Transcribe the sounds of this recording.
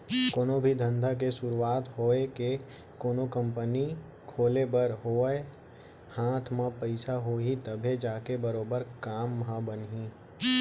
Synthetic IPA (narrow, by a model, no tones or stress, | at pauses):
koːnobʱid̪ʱə̃nd̪ʱakesʊɾuwaːt̪ɦoːeke | koːnokə̃mpəni | kʰoːlebəɾɦoːe | haːt̪ʰmãpəɪsaɦoːɦit̪ɐbʱed͡ʒaːkebɐɾoːbəɾkaːmːɦãbənɦĩ